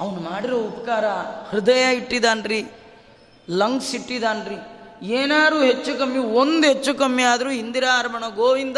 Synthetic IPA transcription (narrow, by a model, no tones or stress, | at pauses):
ɐʋɐnumaːɽiɾoupɐ̥kaːɾɐhɾud̪ɐjaiʈːid̪aːnɾi | lɐŋɡsiʈːid̪aːnɾieːnaːɾuːɦet͡ʃːukɐmːiond̪ɦet͡ʃːukɐmːiaːd̪ɐɾuːɦind̪iɾaːɾɐmɐɳɐɡoːʋind̪